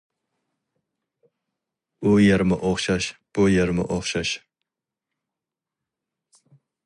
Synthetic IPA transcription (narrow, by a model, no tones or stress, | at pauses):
ujaɾmɪʔoχʃɑʃb̥ʊjaɾmɪ̰ʔoχʃɑʃ